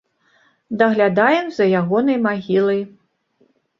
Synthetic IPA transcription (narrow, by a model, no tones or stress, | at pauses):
d̪ɐɣlʲad̪ajɛmzɐjaɣɔnɐjmaɣʲilˠɐj